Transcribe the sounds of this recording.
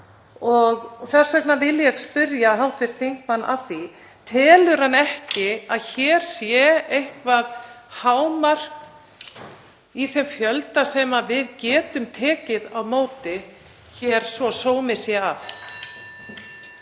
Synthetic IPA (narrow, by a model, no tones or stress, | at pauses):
ɔɣθɛr̥svɛknavɪljɛɣspʏɾjaɦawht̪vɪɾ̥t̪θiŋ̥kmanːʔa̰θi | t̪ʰɛːlʏɾ̥hanːɛhcɪaðçɛːɾ̥sjɛejhkvaðhaːwmar̥k | iθɛmfjœlt̪asɛːmavɪðcɛːt̪ʏmt̪ʰɛːcɪðawmoːwt̪ɪ | çɛːɾ̥svɔsoːwmɪsjɛaf